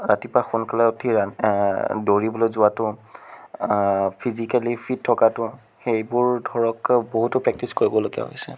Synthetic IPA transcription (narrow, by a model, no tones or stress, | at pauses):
ɹatipaxunkalaotʰia | doɹibɔlojzʊatʊ | pʰizikalipʰittʰːɔkatʊ | xejbʊɹdʱɔɹɔkboɦutʊpɹɛk̚tiskoɹibɔloɡia̰ɦo̰jsɛ̰